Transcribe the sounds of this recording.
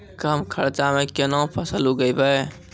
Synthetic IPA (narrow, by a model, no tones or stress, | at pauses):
kəmkʰəɾt͡ʃamẽkɪnõpʰəsəluɡəibəe